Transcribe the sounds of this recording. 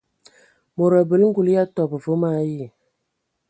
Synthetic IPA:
mo˨ɾə˨bə˨lŋ̩˦ɡu˨lja˦tɔ˨bə˨vo˦ma˦ji˦˨

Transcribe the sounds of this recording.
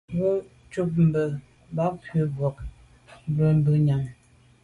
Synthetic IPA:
wu˦ | t͡ʃu˦p̚m̩˦˨bə˨˦ | ba˦pɥə˨bwɔ˨k̚ | m˦bə˨m̩˦bə˨ɲa˨ŋ

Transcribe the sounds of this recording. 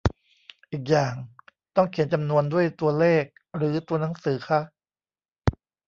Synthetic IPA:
ʔiː˨˩k̬̚jaː˨˩ŋ | t̪ɔ˥˩ŋkʰi˩˦nt͡ɕa˧mnu˧əndu˥˩əjt̪u˧ɐleː˥˩k̚ | ɾɯː˩˦t̪u˧ɐna˩˦ŋsɯː˩˦xʰa˦˥

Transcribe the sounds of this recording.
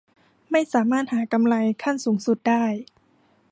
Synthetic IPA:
ma˥˩jsaː˩˦maː˥˩t̪̚haː˩˦ka˧mla˧jkʰa˥˩nsuː˩˦ŋsu˨˩t̪̚daː˥˩j

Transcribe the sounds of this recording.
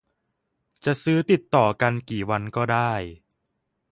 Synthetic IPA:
t͡ɕa˨˩ʔsɯː˦˥t̪i˨˩t̪ːɔː˨˩ka˧nkiː˨˩wa˧nkɔː˥˩daː˥˩j

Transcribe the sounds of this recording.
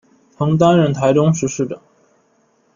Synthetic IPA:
t̪ʰɤ˧˥ŋt̪̬a˥nɻə˥˩nt̪ʰa˧˥ɪʈ͡ʂʊ˥ŋʂɻ̩˧˥˧ʂɻ̩˥˩ʈ͡ʂə̰˨˩˦ŋ

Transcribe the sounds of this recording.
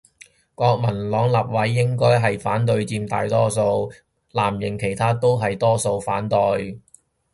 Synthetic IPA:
kɔː˧k̚mɐ˨˩nlɔː˨˧˥ŋlɐ˨p̚wɐ˨˥jːɪ˥ŋkɔː˥jɦɐ˨jfaː˨˥nt̪̬ɵ˧ɥt͡siː˧mt̪a̰ː˨˧jt̪ɔː˥so˧w | laː˨˩mjɪ˨˩ŋkʰe˨˩jt̪ʰaː˥t̪o˥wɦɐ˨jt̪ɔː˥so˧wfaː˨˥nt̪o˨˧j

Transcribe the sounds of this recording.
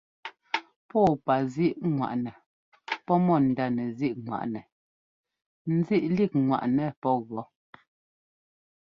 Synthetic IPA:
pɔ˦˨pa˨zi˦ʔŋwa̰˨ʔnɛ˨ | pɔ˦mɔ˦˨n̩˨da˦nɛ˨zi˦ʔŋwa̰˨ʔnɛ˨ | n̩˦zi˦ʔli˦˨k̚ŋwa̰˨ʔnɛ˨pɔ˦ɣɔ˨˦

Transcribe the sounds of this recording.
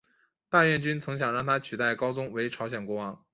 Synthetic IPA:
t̪a˥˧ɥɛ˥˩nt͡ɕy˥nt͡sʰɤ˧˥ŋɕ̬jɑ˨˩ŋɻɑ˥˩ŋt̪ʰa˥t͡ɕʰy˨˩t̪a˥˩ɪkɑ˥ʊt͡sʊ˥ŋwe˧˥ɪʈ͡ʂʰɑ˧˥ɕjɛ˨˩nkwɔ˥wɑ˥ŋ

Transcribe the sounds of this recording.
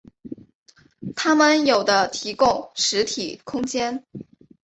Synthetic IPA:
t̪ʰa˥mə˨njo˨˩ʊd̪ə˦t̪ʰi˧˥kʊ˥˩ŋʂɻ̩˧˥t̪ʰi˨˩kʰʊ˥ŋt͡ɕjɛ˥n

